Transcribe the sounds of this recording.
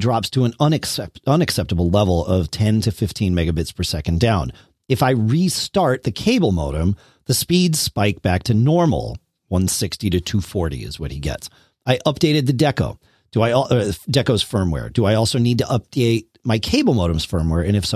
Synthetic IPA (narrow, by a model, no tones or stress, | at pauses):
dɹɑpstʰəə̃nʌ̃nɨksɛʌ̃nɨksɛp̚təbl̩ˠlɛvl̩ˠʌv̥tʰɛ̃ntʰɨfɪftʰĩnmɛɡɨbɪtspʰə˞sɛkɨ̃n̩dãʊ̃n | ɨfaɪɹistɑɹt̪̚ðɨkʰeɪbl̩ˠmoʊɾɨ̃m | ðɨspidz̥spaɪk̚b̥æk̚tʰɨnɔɹml̩ˠ | wʌ̃nsɪkstiɾɨtʰʉfɔɹɾḭɨ̰zwʌ̰t̚hiɡɛ̰ts | aɪʔʌp̚d̥eɪɾɨd̪̚ðɨdɛkoʊ | d̥əaɪɔʔədɛkoʊz̥fɜ̃˞mwɛ̰ɹdəaɪɔlˠsoʊnid̚tɨʔʌp̚d̥eɪt̚maɪkʰeɪbl̩ˠmoʊɾɨ̃mz̥fɜ̃˞mwɛɹɨ̃nɨfs